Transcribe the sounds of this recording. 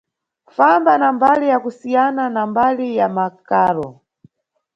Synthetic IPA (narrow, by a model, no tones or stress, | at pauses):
fambanambalijakusijananambalijamakaːɾɔ